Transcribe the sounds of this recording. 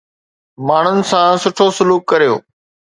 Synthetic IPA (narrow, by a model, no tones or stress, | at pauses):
maːɳ̤ʊnɪ̆sãsʊʈʰosʊluːkːɐɾijo̰ː